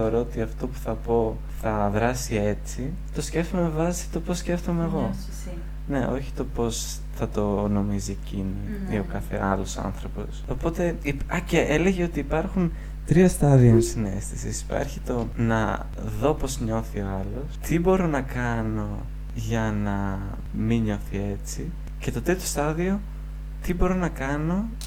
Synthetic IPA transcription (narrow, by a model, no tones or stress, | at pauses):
θeoɾo̞ot̪iɐft̪o̞pu̥θɐpo̞ | θɐðɾɐsie̞t͡si | t̪o̞sceft̪omevɐsi̥t̪o̞posːce̞ft̪omeːɣo̞ | ne̞ʔo̞̰çi̥t̪o̞po̞s | θɐt̪o̞no̞mizie̞cini | io̞kɐθe̞̰ɐlo̞sɐ̰nθɾo̞po̞sopo̞t̪e̞iɐceʔeleʝeo̞t̪iːpɐɾxun | t̪ɾiost̪ɐðionsine̞̰st̪isisi̥pɐ̰ɾçit̪o̞nɐ̰ | ðo̞po̞zɲo̞θio̞ɐlo̞st̪ibo̞ɾo̞nɐkɐno̞ | ʝɐnɐ | miɲo̞θie̞t͡si | ce̞t̪o̞t̪et̪ost̪ɐðio̞ | t̪ibo̞ɾo̞nɐkɐno̞